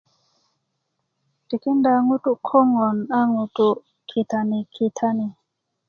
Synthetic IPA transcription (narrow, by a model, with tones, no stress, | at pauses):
ti˨ki˦nda˨ŋu˦tu˦kʰɔ˦ŋɔ˨na˦ŋu˨tu˦ | kʰi˨t̪a˨ni˨kʰi˨tʰa˦ni˨